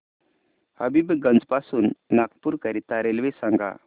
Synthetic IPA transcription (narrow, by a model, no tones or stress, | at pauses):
həbibɡənd͡zpasuːnːakpuɾkəɾit̪aɾelʋesaŋɡa̰